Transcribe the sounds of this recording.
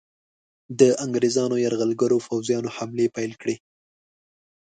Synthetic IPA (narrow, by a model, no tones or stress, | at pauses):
d̪əʔaŋɡɾezɑnojaɾɣalɡaɾofawzjɑnohamlepajlkɽe